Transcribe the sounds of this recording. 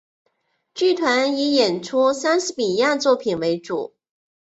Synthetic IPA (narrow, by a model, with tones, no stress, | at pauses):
t͡ɕy˥˩t̪ʰwa˧˥ni˧˥jɛ˨˩nʈ͡ʂʰu˥sa˥nʂ̩˧˥pi˨˩ja˥˧t͡swɔ˥˩pʰi˨˩nwe˧˥ɪʈ͡ʂu˨˩˦